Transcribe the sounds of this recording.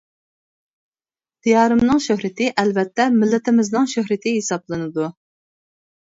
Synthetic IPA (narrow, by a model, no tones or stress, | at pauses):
d̪̥ijɑːɾɨmnɨŋʃøhɾɪt̪ʰɪʔɛlvɛt̪ːɛmɪlːɪt̪ʰɪmɪznɨŋʃøhɾɪt̪ʰɪɦesɑblˠɨnɨd̪u